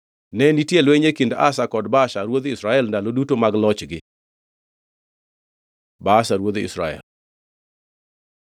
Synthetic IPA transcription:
nɛnitjelweɲekinda̰sakɔdbaʃaɾwod̪isɾaɛlndalodutomaɡlɔt͡ʃɡɪ | basaɾwod̪ḭsɾa̰ɛ̰l

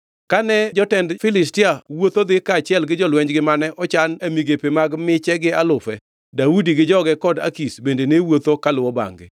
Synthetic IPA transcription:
kanɛd͡ʒɔtɛndfɪlɪstɪawot̪od̪ɪkaːt͡ʃɪɛlɡɪd͡ʒɔlwɛɲd͡ʒɡɪmanɛʔɔt͡ʃanemiɡepemaɡmɪt͡ʃɛɡɪalʊfɛ | daudiɡɪd͡ʒɔɡɛkɔda̰kisbendenewot̪okalʊwɔba̰ŋɡɪ̰

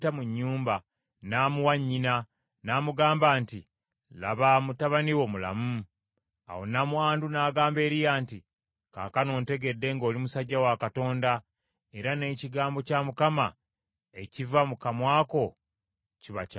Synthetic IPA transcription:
tamuɲːuːmba | naːmuwaɲːina | naːmuɡaːmbaːnti | la̰βamutaβaniwo̞mula̰mu | a̰wo̞̰namuaːndunaːɡaːmbe̞ːɾijaːnti | ka̰ːkano̞ːnte̞ɡe̞dːe̞ŋɡo̞ːlimusaɟːawakato̞ːnda | e̞ɾane̞ːciɡaːmbo̞caːmukama | e̞civamukamwaːko̞ | ciβaca

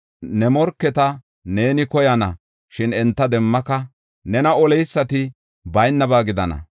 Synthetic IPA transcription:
nɛmɔɾkːɛt̪ɐ | ne̞ːnɪkɔjɐnɐ̰ | ʃɪnɛnt̪ːɐd̪ɛmːɐkɐ | nɛnɐɔlɛjsːɐt̪ɪ | bɐjnːɐbaːɡɪd̪ɐ̰nɐ̰

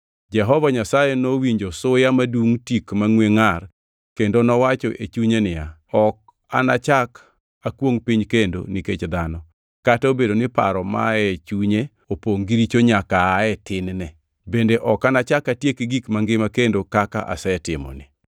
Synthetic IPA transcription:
d͡ʒɛɦɔvaɲasajenowiɲd͡ʒosʊjamaduŋtikmaŋweŋar | kendonɔwat͡ʃɔʔet͡ʃuɲenɪjaɔk̚ | a̰nat͡ʃak | akwoŋpiɲkendo̰niket͡ʃd̪anɔ | kataobedonɪpa̰ɾɔma̰ɛt͡ʃuɲe | opoŋɡiɾit͡ʃoɲakaːɛtɪnnɛ | bendeʔɔkanat͡ʃakatjekiɡikmaŋɡɪmakendokaka̰ʔa̰sɛtɪmɔ̰nɪ̰

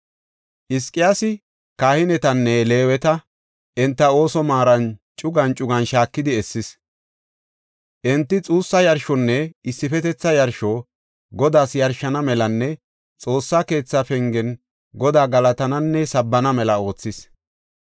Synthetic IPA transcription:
ʔɪskʼɪjaːsɪ | kaːhɪnɛt̪ɐnːɛle̞ːwɛt̪ɐ | ʔɛnt̪ːɐo̞ːsɔmaːɾɐnt͡ʃʼʊɡɐnt͡ʃʼʊɡɐnʃaːkːɪd̪ɪɛsːɪs | ʔɛnt̪ːɪt͡sʼuːsːɐjɐɾʃɔnːɛɪsːɪfɛt̪ɛt͡sːɐjɐɾʃoː | ɡɔd̪aːsjɐɾʃɐnɐmɛlɐnːɛ | t͡sʼo̞ːsːake̞ːt͡sːafɛŋɡɛn | ɡɔd̪aːɡɐlɐt̪ɐnɐnːɛsɐbːɐnɐmɛlɐo̞ːt͡sːɪs

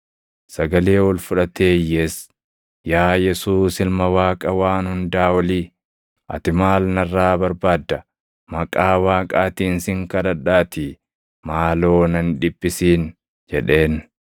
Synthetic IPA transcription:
sɐɡɐleːwɔlfʊᶑɐt̪e̞ːjːeːs | jaːjɛsuːsɪlmɐwaːkʼɐwaːnhʊnd̪aːwɐliː | ʔɐ̰t̪ɪmaːlnɐrːaːbɐɾbaːd̪ːɐ | mɐkʼaːwaːkʼaːt̪iːnsɪŋkɐd̪ɐᶑaːt̪ɪ | maːlo̞ːnɐnᶑɪbːɪsiːn | d͡ʒɛᶑe̞ːn

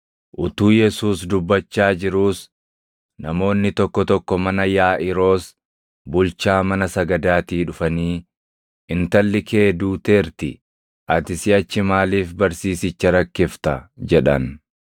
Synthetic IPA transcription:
ʔʊt̪uːjɛsuːsd̪ʊbːɐt͡ʃːaːd͡ʒɪɾuːs | nɐmo̞ːnːɪt̪ɔkːɔt̪ɔkːɔmɐnɐjaːʔɪɾo̞ːs | bʊlt͡ʃaːmɐnɐsɐɡɐd̪aːt̪iːᶑʊfɐniː | ʔɪnt̪ɐlːɪke̞ːd̪uːt̪e̞ːɾt̪ɪ | ʔɐt̪ɪsɪɐt͡ʃːɪmaːliːfbɐɾsiːsɪt͡ʃːɐɾɐkːɪft̪ɐd͡ʒɛᶑɐ̰n

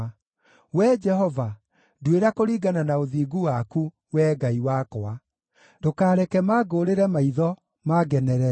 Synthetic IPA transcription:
wɛd͡ʒɛɦɔva | dweɾakoɾiːɡananaoðiːɡuwaku | wɛːɡaiwaːkɔa | dokaːɾɛkɛmaːɡoɾeɾɛmaiðɔ | maɡɛnɛɾɛ

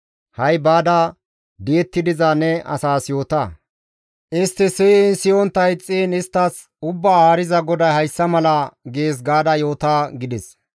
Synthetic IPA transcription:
hɐjbaːd̪ɐ | d̪ɪɛt̪ːɪd̪ɪzaːnɛʔɐ̰saːsjo̞ːt̪aː | ʔɪst̪ːɪsɪnsɪjɔnt̪ːɐjt͡sʼiːnɪst̪ːɐs | ʊbːaːaːɾɪzɐɡɔd̪ɐjhɐjsːɐmɐlɐɡeːs̬ɡaːd̪ɐjo̞ːt̪aːɡɪd̪ɪs

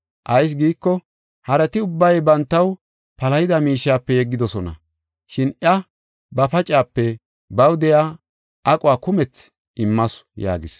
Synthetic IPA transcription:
ʔɐjs̬ɡiːkːɔ | hɐɾɛt̪ɪʊbːɐjbɐnt̪ːɐw | pɐlɐjɪd̪ɐmiːʃːaːpːɛjɛɡːɪd̪ɔsɔnɐ̰ | ʃɪnʔɐ | bɐpɐt͡ʃʼaːpːɛ | bɐwd̪ɛjaː | ʔɐkʼʊwaːkʊmɛt͡s | ɪmːɐsja̰ːɡɪs

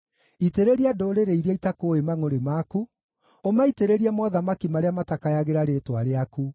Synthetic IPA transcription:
iteɾeɾiadoːɾeɾeiɾiaitakoemaŋoɾemaku | omaiteɾeɾiamɔðamakimaɾeamatakajaɣeɾaɾetwaɾeaku

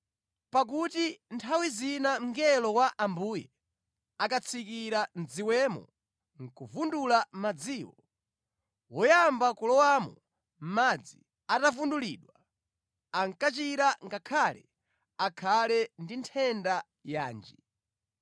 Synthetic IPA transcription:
pak̬utintʰawizinam̩ŋɡɛlɔwaʔambuːjɛ | akat͡sʰikiɾand͡ziwɛmɔ̰ | ŋ̩kuvundulamad͡ziːwɔ | wɔjambakulɔwamɔ̰ | m̩mad͡zḭ | atavunduliɗwa | aŋkat͡ʃiɾaŋɡakʰalɛ̰ | akʰalɛndintʰɛnda | ja̰ːnd͡ʒi

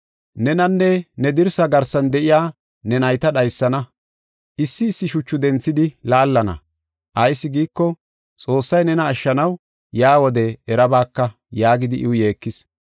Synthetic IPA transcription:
nɛnɐnːɛnɛd̪ɪɾsɐɡɐɾsɐnd̪ɛʔɪjaː | nɛnɐjt̪ɐɗɐjsːɐnɐ | ʔɪsːɪːsːɪʃʊt͡ʃːʊd̪ɛnt͡sːɪd̪ɪlaːlːɐnɐ̰ | ʔɐjsːɪɡiːkːɔ | t͡sʼo̞ːsːɐjnɛnɐːʃːɐnɐw | jaːwɔd̪ɛɛɾɐbaːkːɐ | jaːɡɪd̪ɪʔɪwʊje̞ːkːɪs

